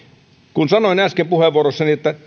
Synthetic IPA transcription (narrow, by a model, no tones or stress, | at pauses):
kunsɑnoˑinæskempuheʋʋuorosːɑniet̪ːæ